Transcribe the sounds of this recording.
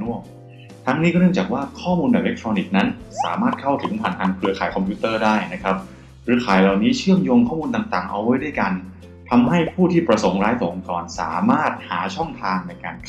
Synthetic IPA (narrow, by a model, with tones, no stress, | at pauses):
nu˥˩ə | t̪ʰa˦˥ŋniː˦˥kɔː˥˩n˥˩ət͡ɕaː˨˩k̚waː˥˩kʰɔː˥˩muː˧nbɛː˨˩le˦˥k̚t̪ʰɾɔː˧ni˨˩k̚na˦˥nsa̰ː˩˦maː˥˩t̪̚kʰa˥˩wt̪ʰɯ˨˩˦ŋpʰaː˨˩nt̪ʰaː˧ŋkʰɾɯ˧ɐkʰaː˨˩jkʰɔ˧mpʰjuː˦˥t̪ɤː˥˩daː˥˩jna˦˥kʰa˦˥p̚ | ɾɯ˨˧˦kʰaː˨˦jla˨˩wniː˦˥t͡ɕʰɯ˥˩əmjoː˧ŋkʰɔː˥˩muː˧nt̪a˨˩ŋt̪aː˨˩ŋʔa̰˧wːa˦˥jdu˥˩jka˧n | t̪ʰa˧mɦa˥˩jpʰuː˥˩t̪ʰiː˥˩pɾa˧so˩˦ŋɾaː˦˥jt̪o˨˩˨kɔː˨˩nsa̰ː˩˦maː˥˩t̪̚haː˩˦t͡ɕʰɔ˥˩ŋt̪ʰaː˧ŋna˧jka̰˧n